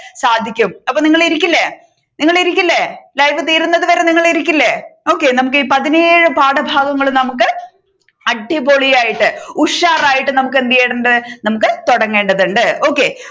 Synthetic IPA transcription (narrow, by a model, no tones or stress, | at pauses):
saːd̪ʱikʲːumɐpːoːniŋːɐɭiɾikʲːilːe | niŋːɐɭiɾikʲːilːelɐjʋɨt̪̬iːɾunːɐðɨʋɐɾe̞niŋːɐɭiɾikʲːilːeo̞ːkːe̞nɐmuk̬ːiːpɐðineːɻɨpaːɽɐbʱaːɡɐŋːɐɭnɐmukːɨ | ɐʈːiboɭijaːjiʈːɨuʂaːraːjiʈːɨnɐmukːe̞nd̪ɐjeːɽɨɳɖɐðɨnɐmukːɨt̪oɽɐŋːe̞ːɳɖɐðuɳɖɨo̞ːkːe̞